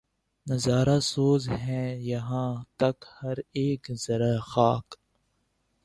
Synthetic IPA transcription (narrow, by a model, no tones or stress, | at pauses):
nɐzaːɾasoːzɦɛ̃ːjɐɦãːt̪ɐkhɐɾeːkz̥ɐɾaxaːk